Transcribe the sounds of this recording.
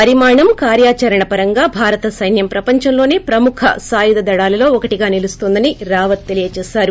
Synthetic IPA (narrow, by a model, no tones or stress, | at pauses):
pɐɾimaːɳɐmkaːɾjaːt͡ʃɐɾɐɳɐpɐɾɐŋɡaːbʱaːɾɐt̪ɐsɐjnjɐmpɾɐpɐɲt͡ʃɐmlo̞ːneːpɾɐmukʰɐ̰saːjud̪ɐd̪ɐɽaːlɐlo̞ːɔkɐʈiɡaːnilust̪ond̪ɐniɾaːʋɐt̪̚ːe̞lijɐt͡ʃɛːsaːɾu